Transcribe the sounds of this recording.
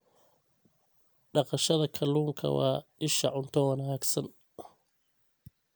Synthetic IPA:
ɖɑqɑʃɐðɐkʰɐluːŋkʰɐ̰wɑ̰ːʔɪʃɐʕʊnt̪ʰɔwɑnaːɡsɐn

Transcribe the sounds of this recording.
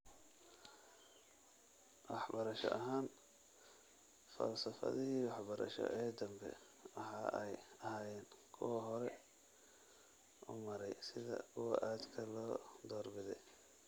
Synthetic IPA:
wɑħbɐɾɐʃɔ̰ʔɐɦaːn | fɐ̰lsɐfɐ̰ðɪɦiːwɑħbɐɾɐ̰ʃɔ̰ʔɛːd̪ɐmbɛ̰ | wɑħɑːʔɛjɐhaːjɛːnkʰʊwɐɦɔɾɛ | ʔʊmɐɾɛjsɪðɐ̰kʰʊwɐ̰ʔaːd̪kʰɐlɔːd̪ɔːrbɪðɛj

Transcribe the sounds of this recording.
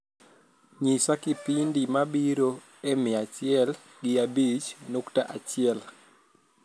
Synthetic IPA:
ɲisakɪpindimabiɾo | emɪat͡ʃɪɛl | ɡɪabit͡ʃnoktaʔat͡ʃɪɛl

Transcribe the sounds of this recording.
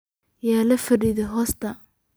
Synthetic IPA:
jaːlɐfɐɖiðɛɦɔːst̪ʰɐ

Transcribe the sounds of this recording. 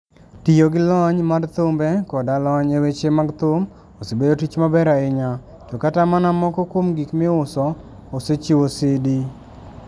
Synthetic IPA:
tijoɡɪlɔɲmart̪ʊmbɛkɔdalɔɲewet͡ʃemaɡt̪ʊm | osebedotit͡ʃmabɛɾaɪɲa | d͡ʒokatamanamɔkɔkwomɡikmɪʊsɔ | oset͡ʃiwosɪdi

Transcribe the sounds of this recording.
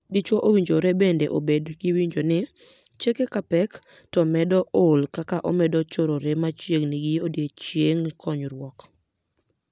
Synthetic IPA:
dit͡ʃoʔowiɲd͡ʒoɾebendeʔobedɡɪwiɲd͡ʒonɪ | t͡ʃekekapɛk | tɔmɛdɔʔolkakaʔɔmɛdɔt͡ʃoɾoɾemat͡ʃjeɡnɪɡɪodjet͡ʃjeŋkʰɔɲɾwɔk

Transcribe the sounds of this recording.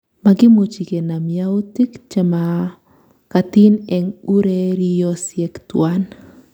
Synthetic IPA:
maɡɪmut͡ʃikɛnamjautikt͡ʃɛma | kat̪inɛŋuɾɛɾijɔsjɛkt̪wan

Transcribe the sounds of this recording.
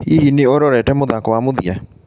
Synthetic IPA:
hihineoɾɔɾɛtɛmoðakɔwamoðia

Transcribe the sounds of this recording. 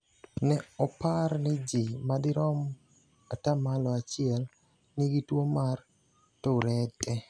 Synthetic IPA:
nɛɔpaɾnɛd͡ʒimad̪ɪɾɔm | atamalɔat͡ʃɪɛl | nɪɡitwomar | toɾɛtʼːɛ

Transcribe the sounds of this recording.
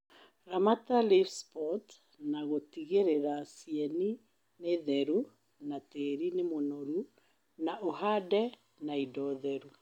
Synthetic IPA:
ɾamatalifspɔt | naɣotiɣeɾeɾasiɛni | neðɛɾu | nateːɾinemonɔɾu | naʔoɦadɛ | naidɔðɛɾu

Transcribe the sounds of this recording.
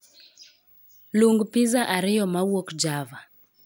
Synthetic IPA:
luŋɡpizaʔaɾijɔmawɔkd͡ʒava

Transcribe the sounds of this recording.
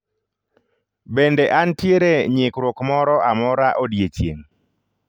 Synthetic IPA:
bendɛʔantjeɾeɲɪkɾokmɔɾɔamɔɾaʔodjet͡ʃjḛŋ

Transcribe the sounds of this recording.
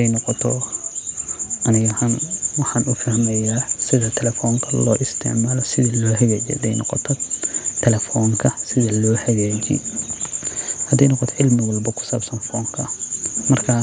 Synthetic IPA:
ɛjnɔqɔt̪ʰɔ | ʔɐnɪɣɐhɐnwɑħɑːnʊfɐhmɛjaːsɪðɐt̪ʰɛlɛfɔːŋkʰɐlɔːʔɪst̪ʰɪ̰ʕmaːlɔsɪðɐlɔːhɐɣaːd͡ʒɛ̰hɐd̪ɛ̰jnɔ̰qɔt̪ʰɔt̪ʰɛlɛfɔːŋkʰɐsɪðɐlɔːhɐɣaːd͡ʒḭ | hɐd̪ɛjnɔqɔt̪ʰɔʕɪlmɪwɐlbɐkʰʊ̥saːbsɐnfɔːŋkʰɐmɐrkʰɐ

